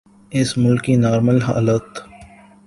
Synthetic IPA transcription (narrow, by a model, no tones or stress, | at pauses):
ɪsmʊlkinaːɾməlɦa̰ːlət̪